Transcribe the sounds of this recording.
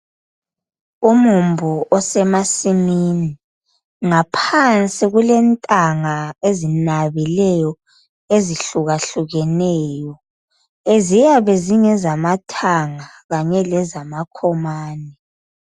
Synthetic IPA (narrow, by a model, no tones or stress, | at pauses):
umumbʱuʔɔsɛmasimini | ŋapʰant͡sʼiɣulɛntʼaŋaezinaβilɛjɔ | eziɬuɣaɬuɣɛnɛːjɔ | ezijaβɛziŋɛzamatʰaŋa | ɣaɲɛlɛzamakʰɔmaːnɛ